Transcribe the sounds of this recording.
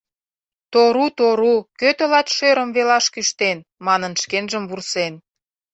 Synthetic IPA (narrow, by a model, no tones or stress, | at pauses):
t̪oɾut̪oɾukøt̪ə̆lɑt̪ʃøɾə̆mvelɑʃkyʃt̪enmɑnənʃkenʒəmβursen